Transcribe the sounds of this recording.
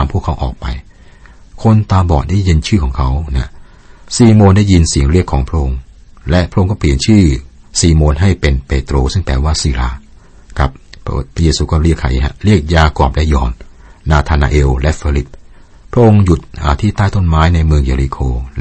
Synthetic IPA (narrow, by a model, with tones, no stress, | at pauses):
mpʰu˥˩əkʰːa˦˥wʔɔ̰ː˨˩k̚pa̰˧j | kʰo˧nt̪aː˧bɔː˨˩t̪̚daː˥˩ji˧nt͡ɕʰɯː˥˩kʰɔː˩˦ŋkʰa˦˥wna˦˥ | siː˧˩moː˧ndaː˥˩ji˧nsi˨˩əŋɾi˥˩əkʰːɔː˩˦ŋpʰɾa˦˥ʔo˧ŋlɛ˦˥ʔpʰɾa˥ʔo˧ŋkɔː˥˩pʰliː˨˩ənt͡ɕʰɯː˥˩ | siː˧˩moː˧nɦa˥˩jpe˧npe˧t̪ɾoː˧sɯ˥˩ŋpɛː˧waː˥˩siː˧˩laː˧˩ | ka˨˩p̚pʰɾa˦˥˩jeː˧suː˧kɔː˥˩ɾi˥˩əkʰːa̰˨˦jɦa̰˦˧˥ɾi˥˩ək̚jaː˧kɔː˨˩p̚lɛ˦˥jɔ̰ː˨˩nː | aː˧t̪ʰaː˧na̰ː˧ʔeː˧wlɛ˦˥fiː˧li˦˥p̚ | pʰːɾa˦˥ʔo˧ŋju˨˩t̪̚ʔaː˨˩t̪ʰiː˥˩t̪aː˥˩jt̪o˥˩nmaː˦˥jna˧jmɯ˧əŋjaː˧ɾi˧kʰoː˧